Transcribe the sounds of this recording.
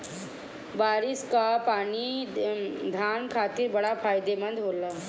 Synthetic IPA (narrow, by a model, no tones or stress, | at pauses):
baːɾɪskapaːni | d̪ʱaːnkʰaːt̪ɪɾbɐɽapʰaːjɪd̪emɐ̃nd̪ɦoːlaː